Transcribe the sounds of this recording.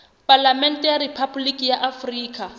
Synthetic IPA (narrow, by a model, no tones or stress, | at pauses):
pʼalamɛn̩tʼɛjaripʰablikʼijaʔafriːkʼa